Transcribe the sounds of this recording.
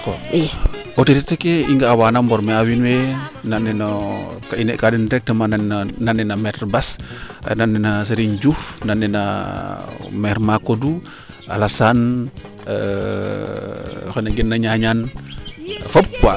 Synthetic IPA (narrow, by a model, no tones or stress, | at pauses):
k | otetet̪ekeiŋɡaːwanambɔrmeawinwenanɛnokainɛʔkadɛndɛk̚təmanananːɛnamɛtrbasnanːɛnas̬əɾiɲd͡ʒufnanːɛna̰ | mɛrmakodu | a̰lasan | kenaɡɛnːaɲaɲan | fəpua